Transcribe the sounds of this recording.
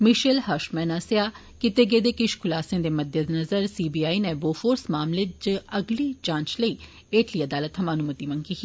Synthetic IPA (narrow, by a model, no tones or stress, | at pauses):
mɪʃəlhəʃmɛ̃ːnasjaː | kɪt̪eɡeːd̪eːkɪʃkʰʊlaːsẽd̪eːməd̪jəd̪nəzəɾsiːbiːaːineboːfoːɾsmaːmled͡ʒəəɡliːt͡ʃãːɲt͡ʃləiː | eːʈliːəd̪aːlət̪ɦɐmaːnumət̪imə̃ŋɡiːkiː